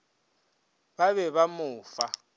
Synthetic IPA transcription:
baβɛβamʊːfa

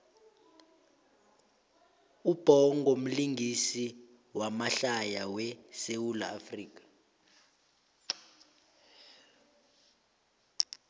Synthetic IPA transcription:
ub̥ʱɔŋʱom̩liŋɡʱisiwamaɬajawɛsewula̰ːfriːk̬ʼḁ

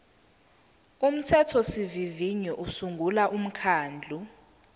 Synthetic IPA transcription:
um̩tʰɛtʰɔsiviviɲɔʔusuŋɡʱulaʔum̩kʰaːnd͡ɮʱu

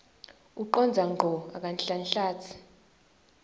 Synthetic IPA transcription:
uǃɔnd͡zʱaŋʱɔak̬ʼanɬanɬaːt͡sʰi̥

